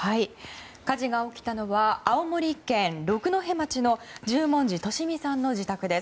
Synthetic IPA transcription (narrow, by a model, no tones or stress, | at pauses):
hai | kaʑiɡao̞kʲi̥t̪ano̞βaːomo̞ɾʲikẽ̞nɾo̞kɯ̟no̞ɦe̞mat͡ɕino̞d͡ʑɨːmõ̞ɲ̟d͡ʑit̪o̞ɕimʲisãnːo̞d͡ʑit̪akɯ̟d̪e̞s